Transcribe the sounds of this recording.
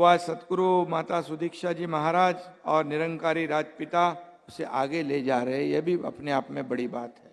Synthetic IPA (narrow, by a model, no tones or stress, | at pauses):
aːd͡ʒsɐt̪kɾumaːt̪asʊd̪ʱiːkʃad͡ʒiːmɐɦaːɾaːd͡ʒɔːɾnɪɾə̃ŋkaːɾiɾaːd͡ʒpɪt̪aʊseʔaːɡeled͡ʒaːɾɐɦɛ̃jebʱiɐ̰pneaːpmẽbɐɽibaːt̪ɦɛː